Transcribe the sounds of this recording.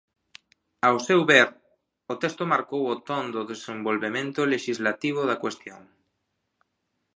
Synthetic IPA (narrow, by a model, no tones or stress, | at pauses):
awsɛwβeɾ | ot̪ɛst̪omaɾkowot̪ond̪ʊðesembolβemẽnt̪oleʃizlat̪iβ̞oðakwest̪joŋ